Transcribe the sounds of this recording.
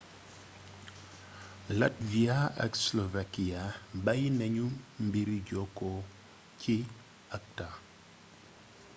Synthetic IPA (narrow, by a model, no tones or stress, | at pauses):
latviaa̰kslovakiabajnɛɲumbiɾiɟɔko | ci | ak̚ta